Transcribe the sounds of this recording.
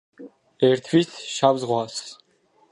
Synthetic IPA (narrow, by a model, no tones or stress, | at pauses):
ɛɾt̪ʰvisʃavzʁwas